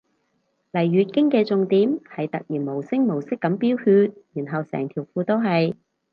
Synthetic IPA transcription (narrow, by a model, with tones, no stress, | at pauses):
lɐ˨˩jːyː˨˧t̚kɪ˥ŋkɛː˧t͡sʊ˧ŋt̪iː˨˥mhɐ˨jt̪ɐ˨k̚jiː˨˩nmo˨˩wsɪ˥ŋmo˨˩wsɪ˥kːɐ˨˥mpiː˥whyː˧t̚jiː˨˩nɦɐ˨wsɛ̰ː˨˩ŋt̪ʰiː˨˩wfuː˧t̪o˥wɦɐ˨j